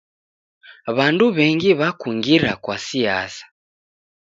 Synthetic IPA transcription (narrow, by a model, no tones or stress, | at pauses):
βanduβɛŋɡiβakuŋɡiɾakwasia̰sḁ